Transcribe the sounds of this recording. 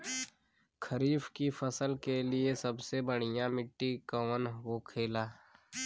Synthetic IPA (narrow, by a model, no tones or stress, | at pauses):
kʰəɾiːfkifʰəsəlkeliesəbsebəɽ̤ijamɪʈːikəʋənɦoːkʰeːlaː